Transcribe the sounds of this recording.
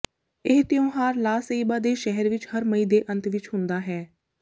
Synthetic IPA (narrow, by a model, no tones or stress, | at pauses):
ɪɦt̪ɪõːɦaːɾlaːseiːbaːd̪eːʃɛɦɛɾʋɪt͡ʃhəɾməiːd̪eːʔə̃nt̪ʋɪt͡ʃɦʊnd̪aːɦɛː